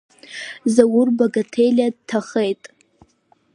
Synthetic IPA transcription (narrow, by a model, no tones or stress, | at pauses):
zawʊrbaɡatʰejlʲadtʰaχejtʼ